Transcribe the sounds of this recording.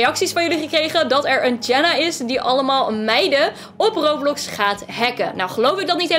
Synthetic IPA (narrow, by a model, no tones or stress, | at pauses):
jɑksisfɑnjɵliχəkrejχədɑtɛɹənd͡ʒɛnaɪsdiʔɑləmaːlˠmɛjdə | ɔprowplɔksχaːtɦɛkə̰na̰wχəlowfɪɡ̚dɑt̚nitɦ